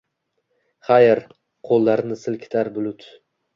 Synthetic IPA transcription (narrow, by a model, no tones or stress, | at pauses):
χajɪɾ | qʰolˠːaɾnɪsɪlkʲʰɪ̥t̪ʰaɾbʊlʊt̪